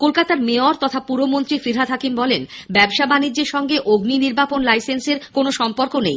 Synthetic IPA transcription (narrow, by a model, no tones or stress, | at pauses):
kolkat̪aɾmeoɾt̪ɔt̪ʰapuɾomont̪ɾifɾiɾɦad̪ʱɦakimbɔlen | bɛbʃabanid͡ʑːeɾʃɔŋɡeʔoɡniniɾbʱaponlajsenseɾkonoʃɔmpoɾkonḛj